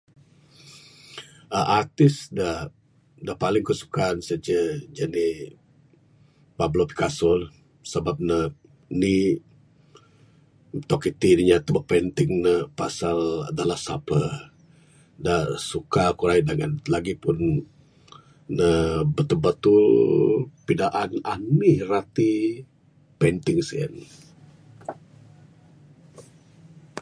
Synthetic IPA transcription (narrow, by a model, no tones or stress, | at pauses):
əʔart̪ɪsda | dapalɪŋkəsu̥kaːnsəd͡ʒəd͡ʒəni | pablopi̥kasɔl | səbap̚nə | ni | t̪ɔkit̪idiɲat̪əbapənt̪ɪŋnəpasala̰dalahsa̰plə | dasukakuɾaidaŋa̰nlaɡipʊn | əbət̪ulbət̪ul | pidaʔananːirat̪i | pent̪ɪŋsiə̰n